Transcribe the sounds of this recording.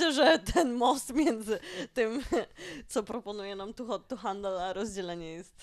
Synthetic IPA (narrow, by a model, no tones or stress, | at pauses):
ɛʐɛt̪ʰɛnmɔst̪mʲjɛnd̪zɘt̪ɘmt̪sɔpɾɔpɔnujɛnamt̪uɔɔxand̪ɛlaɾɔzd͡ʑɛlɛɲɛjɛst̪